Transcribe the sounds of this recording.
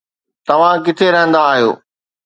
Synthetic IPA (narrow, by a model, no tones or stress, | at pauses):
t̪ɐʋ̤ãk̬ɪt̪ʰeɾɐɦə̃nd̪aːɦijo̰ː